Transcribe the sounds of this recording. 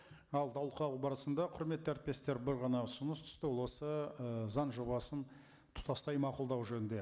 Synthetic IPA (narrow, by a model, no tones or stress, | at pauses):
ɑlˠd̪ʰɑwlˠqʰɑəbɑɾəsənd̪ɑqʰʊɾme̞t̪ːæɾt̪̚pe̞st̪e̞ɾbɪɾʁɑnɑsʊnəst̪ʰʏ̥st̪ɪwolˠwo̞səzɑnʒo̞bɑsən | t̪ʰʊ̥t̪ɑst̪ɑjmɑqʊlˠd̪ɑwʒɵnɪnd̪e̞